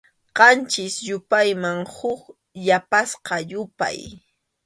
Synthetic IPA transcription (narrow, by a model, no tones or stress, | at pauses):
qɑnt͡ʃɪsjʊpajmaŋhʊk | ʎapasqɑjʊpa̰j